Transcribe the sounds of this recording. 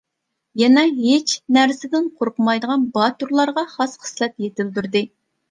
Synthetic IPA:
jɛnɛɦet͡ʃnæɾsɪd̪ɪnqʰoɾqəmɑjd̪əʁɑnbɑt̪uɾlˠɑɾʁɑχɑsχə̥slˠɛt̪jet̪ɪld̪yɾd̪ɪ

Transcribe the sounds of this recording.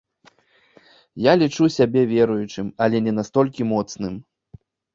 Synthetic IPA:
jalʲit͡ʂusʲabʲɛvʲɛɾujut͡ʂɨmɐlʲɛnʲɛnast̪ɔlʲkʲimɔt̪snɨm

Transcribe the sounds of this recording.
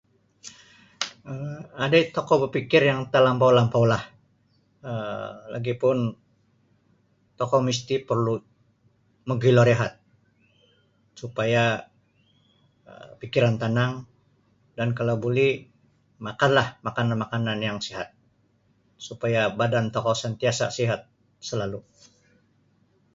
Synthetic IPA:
əadait̪ɔkɔbəpikɪrjaŋt̪əlampawlampawlah | əla̰ɡipʊn | t̪ɔkɔmist̪ipərlu | məɡiloɾeɦat̪̚ | supaja | ə̰pikiɾant̪anaŋ | dankalawbolɛ | makanlahmakananmakananjaŋsiɦat̪̚ | supajabadant̪ɔkɔsənt̪iasa̰siɦat̪̚ | səlalu

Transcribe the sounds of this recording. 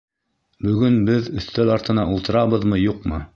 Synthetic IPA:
bɵ̆ɡɵnbɘðɵ̆θt̪ælɑɾt̪ɤ̆nɑulˠt̪ɤ̆ɾɑβɤðmɤjuqmɤ

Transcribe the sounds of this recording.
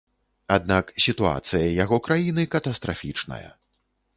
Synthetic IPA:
ad̪naksʲit̪ua̰t̪sɨjɐjaɣɔkɾajinɨkɐt̪ɐst̪ɾʔafʲit͡ʂnɐ̰jɐ̰

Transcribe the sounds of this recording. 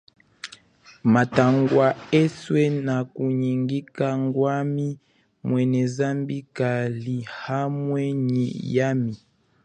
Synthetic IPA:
mataŋɡwaeswɛnakuɲiŋɡikaŋɡwami | mwɛnɛzambikalihamwɛɲḭjami

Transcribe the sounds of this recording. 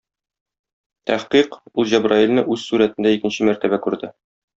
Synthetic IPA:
t̪æhqiqulˠʑæbrɑilʲnɤʔʉzsuɾæt̪ɘ̆nd̪æikɘ̆nɕɘmæɾt̪æbækʉɾd̪ɘ

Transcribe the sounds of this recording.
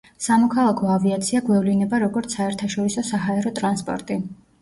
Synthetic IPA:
samɔkʰalˠakʰɔaviat̪sʰiaɡwɛvlinɛbaɾɔɡɔɾt̪sʰaɛɾt̪ʰaʃɔɾisɔsaɦaɛɾɔt̪ʼɾanspʼɔ̰ɾt̪ʼi

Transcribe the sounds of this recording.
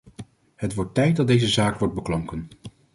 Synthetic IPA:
ɦətʋɔɹtːɛjt̚dɑt̚dejzəzaːkʋɔɹd̚bəklɑŋkən

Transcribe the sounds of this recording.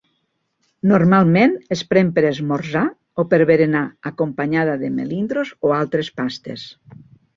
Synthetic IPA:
noɾmalˠmẽnespɾempeɾezmoɾza | opeɾβeɾenaakompaɲaðaðemḛlind̪ɾozoalˠt̪ɾespast̪ḛs

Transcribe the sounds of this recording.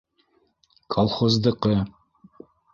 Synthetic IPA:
kʰolˠχozd̪ɤ̆qɤ

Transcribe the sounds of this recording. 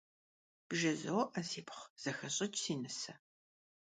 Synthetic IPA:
b̥ʒɐzɐwʔɐsiːpχz̥ɐxɐɕʼɐt͡ʃʼsiːnɨsɐ

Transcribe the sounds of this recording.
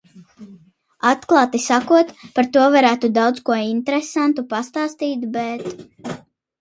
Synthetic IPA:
at̪klˠɑːt̪isakuɔt̪paɾt̪uɔvaɾæːt̪ud̪awd̪skuɔinʲt̪eɾɛsant̪upast̪aːst̪iːt̪bɛt̪

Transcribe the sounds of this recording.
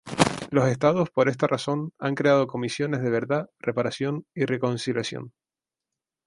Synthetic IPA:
lo̞se̞st̪aðo̞spo̞ɾe̞s̬t̪araso̞naŋkɾe̞að̞o̞ko̞misjo̞ne̞zðe̞βe̞ɾðare̞paɾasjo̞nire̞ko̞nsiljasjo̰n

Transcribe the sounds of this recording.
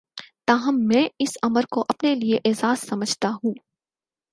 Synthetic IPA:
t̪aːɦɐmːɛ̃ːɪsɐməɾkoʔɐpnelieʔeːzaːzsɐməd͡ʒʱt̪aɦũː

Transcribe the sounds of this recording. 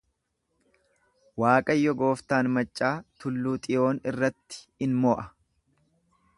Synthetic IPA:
waːkʼɐjːɔɡo̞ːft̪aːnmɐt͡ʃʼːaːt̪ʊlːuːt̪ʼɪjo̞ːnɪrːɐt̪ːɪ̥ɪnmɔːʔɐ

